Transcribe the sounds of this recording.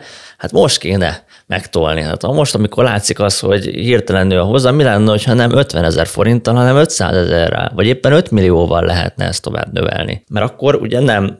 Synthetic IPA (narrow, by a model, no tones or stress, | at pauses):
hat̪mo̞ʃt̪keːnɛ | mɛkt̪olniha̰t̪ɒmo̞ʃt̪ɒmiko̞rlaːt̪sikɒsho̞ɟhirt̪ɛlɛnyɒɦo̞zːɒːmilanːnɛho̞chɒnɛmʔø̞t̪ʋɛnɛzɛrfo̞ɾint̪ːɒlɦɒnɛmø̞t̪sa̰ːzɛzɛrːɛ̰lvɒɟeːpːɛnøt̪milioːvɒllʔɛɦɛ̰t̪nɛ̰ɛst̪ːo̞va̰ːbnøvɛ̰lnḭmɛɾɒkːo̞ɾṵɟɛnɛm